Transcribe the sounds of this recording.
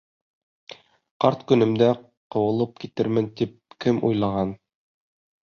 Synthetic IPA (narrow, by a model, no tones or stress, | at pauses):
qɑɾt̪kɵ̆nɘ̆md̪æ | qɤ̆wɤ̆lˠɤp̚kit̪ɘ̆ɾmɘnt̪ip̚kɘmʔṵjlˠɑʁɑn